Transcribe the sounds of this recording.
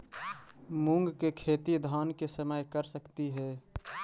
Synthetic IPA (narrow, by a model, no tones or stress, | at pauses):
mũŋɡkekʰeːt̪id̪ʱaːnkesəməjkəɾsəkt̪iɦɛː